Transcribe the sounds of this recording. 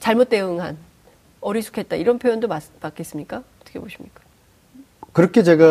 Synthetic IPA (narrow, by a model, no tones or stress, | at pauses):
t͡ɕaɭmot̚t͈e̞ɯŋɦan | ʌɾisʰu̥kʰe̞t̚t͈aiɾʌnpʰjojondomamak͈e̞s͈ɯmɲik͈aʌt͈ʌ̥kʰeboɕʰimɲik͈ḁ | kɯɾʌkʰet͡ɕe̞ɡa